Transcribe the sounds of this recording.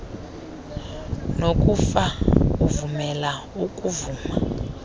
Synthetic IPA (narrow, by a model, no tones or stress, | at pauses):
nokʼufauvumɛla | ukʼuvuːma